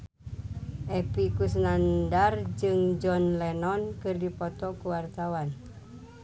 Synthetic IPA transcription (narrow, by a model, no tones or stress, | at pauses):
ʔɛpikusnandard͡ʒɨŋd͡ʒɔnlɛnɔnkɨrdipɔt̪ɔkuwart̪awan